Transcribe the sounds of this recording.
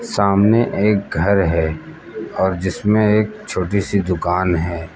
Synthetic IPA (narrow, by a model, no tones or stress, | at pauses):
saːmneʔeːk̚ɡʱɐɾɦɛ | ɔːɾd͡ʒɪsmẽeːk̚t͡ʃʰoːʈisid̪ʊkaːnɦɛː